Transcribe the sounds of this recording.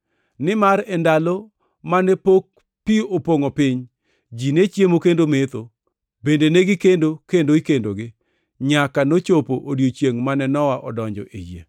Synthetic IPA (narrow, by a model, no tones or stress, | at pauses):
nɪmaɾɛndalo | manepok̚ | piopoŋopɪɲ | d͡ʒinet͡ʃjemokendomet̪o | bendeneɡɪkendokendoikendoɡɪ | ɲakanot͡ʃopoʔodjot͡ʃjeŋmanɛnɔwaʔɔ̰dɔɲd͡ʒɔ̰ʔḛjḛ